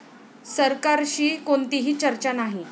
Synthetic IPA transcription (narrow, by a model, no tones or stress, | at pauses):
səɾkaɾɕiːkoɳt̪iɦiːt͡ɕəɾt͡ɕanaɦi